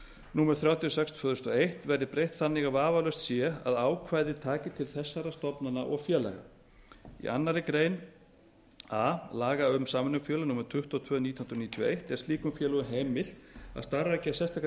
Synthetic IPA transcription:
nuːmɛɾθɾjaːwt̪ʰijɔsɛkst̪ʰvœðʏst̪ɔejht̪vɛɾðɪpɾejht̪θanːɪɣavaːvalœst̪sjɛa̰ðaːwkʰvajðɪt̪ʰaːcɪt̪ʰɪlθɛsːaɾast̪ɔpnanaʔɔɣfjɛːla̰jɣa̰ | ḭa̰nːaɾɪkɾeːjn | aːlaːɣaʏmsaːmʏnʏfjœːlanuːmɛɾ̥t̪ʰʏht̪ɔt̪ʰv̥œːnit̪ʰjɔhnɾniːt̪ʰjɔʔejht̪ɛɾ̥st̪iːkʏmfjɛːlɔɣʏɦejmɪl̥t̪a̰ðst̪arːaɛcɪasɛst̪ak

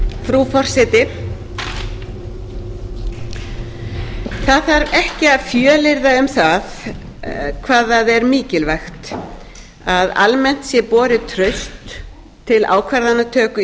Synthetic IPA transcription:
fɾufɔr̥sɛt̪ɪ | θaðθaɾɛhcɪaðfjœːlɪɾðaʏmθað | kʰvaːðaðɛɾmiːcɪlvajxt̪ | aða̰lmɛn̥t̪sjɛpɔːɾɪt̪ʰɾœɥst̪ʰː | ɪla̰ːwkʰvaɾðanːat̪ʰœːkʏ

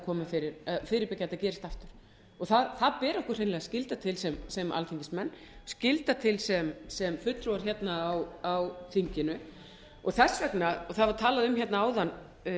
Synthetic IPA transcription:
kʰɔːmafɪɾɪɾfɪːɾɪɾpɪcːat̪acɛːɾɪst̪aft̪ʏɾ̥ | ɔɣθaðθaðpɛːɾɔhkʏr̥reːnlɛɣascɪlt̪at̪ʰɪlsɛmsɛma̰lt̪ʰiŋkɪsmɛnː | scɪlt̪at̪ʰɪlsɛmsɛmfʏt̪ɾuwaɾ̥çɛt̪naːwawθiɲcɪnʏ | ɔɣθɛsːvɛknaɔθaðvaɾ̥t̪ʰaːlaðʏmçjɛt̪naaːwðan

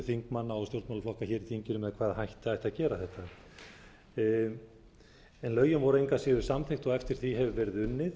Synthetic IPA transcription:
θiŋkmanːaawst̪jowɾt̪malaflɔhkaçɛːɾiθiɲcɪnʏmɛðkʰvaːðhajht̪ɪajht̪aðcɛːɾaθɛht̪a | ɛnlœːɥjʏmvɔɾejŋkasɪːðʏsamθejxt̪ɔɣɛft̪ɪɾ̥θiɦɛvʏvɛɾɪðʏnːɪð

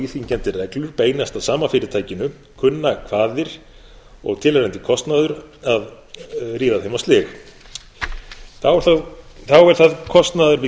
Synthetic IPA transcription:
iθiɲcɛnt̪ɪrɛklʏɾ̥peːjnast̪aðsaːmanfɪɾɪɾt̪ʰaːjcɪnʏ | kʰʏnːakʰv̥aːðɪɾ̥ | ɔɣt̪ʰɪlaɾɛjnt̪ɪkʰɔst̪naðʏɾað | riːðaðhejmast̪lɪx | θawɛɾ̥θaðθawɛɾ̥θaðkʰɔst̪naðʏɾvɪ

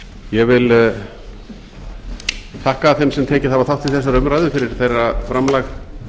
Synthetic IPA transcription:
jɛvɪl | θʰahkaːθɛmsɛmt̪ʰɛːcɪθavaɾθawht̪ʰːɪlθɛsːaɾœmɾaːjðʏfɪɾɪɾ̥θejrːafɾamlax

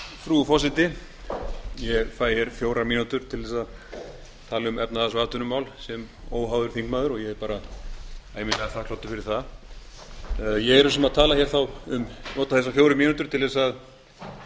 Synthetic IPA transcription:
fɾufɔsɪt̪ɪ | jɛfaːjɪɾ̥fjoːwɾamiːnut̪ʏɾ̥t̪ʰɪlðɛːsað | t̪ʰaːlaʏmɛpnaðasvaːt̪ʏnʏmaːwlsɛmoːwɦaːwðʏɾ̥θiŋkmaðʏɾɔjɛɣɛɾpaːɾa | aːjmɪnɛaθakʰloːt̪ːʏfɪɾɪɾ̥θað | jɛɣɛɾʏsɛmaðt̪ʰaːlaçjɛɾ̥θawʏmnoːt̪aθɛs̬afjoːwɾʏmiːnut̪ʏɾt̪ʰɪlðɛsað

